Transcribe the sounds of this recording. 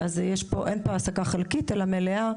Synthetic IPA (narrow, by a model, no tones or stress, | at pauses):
azjeʃpoʔenpoasakaχelkitelamelea